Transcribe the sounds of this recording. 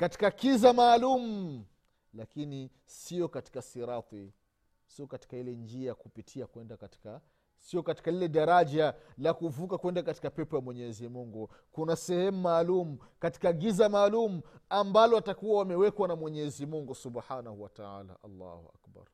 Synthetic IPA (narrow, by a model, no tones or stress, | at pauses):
kati̥kakizamaːlumu | lakini | siɔkati̥kasiɾat̪i | siɔkati̥kailɛnd͡ʒiakupitʰiakwɛndakati̥ka | siɔkati̥kalilɛɗaɾaʄalakuvukakwɛndakati̥kapɛpɔjamwɛɲɛzimuŋɡu | kunasɛhɛmumaːlumu | kati̥kaɡizamaːlumuambalɔatakuwawamɛwɛkwanamwɛɲɛɛzimuŋɡusubħanahuwataa̰ːla̰ʔa̰lːa̰ːhua̰kba̰ɾ